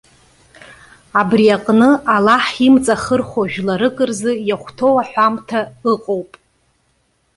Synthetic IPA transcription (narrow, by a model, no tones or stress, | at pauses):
abriaqʼnɨalaħimt͡sʼaχərχʷaʒᶣlaɾɨkʼɨrzɨjaχʷtʰowaħʷamtʰaɨqʼowpʼ